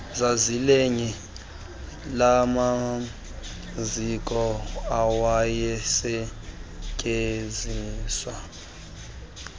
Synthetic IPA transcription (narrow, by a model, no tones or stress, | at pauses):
zazileɲi | lama | zikʼɔawajɛsɛ | kʼeziːswa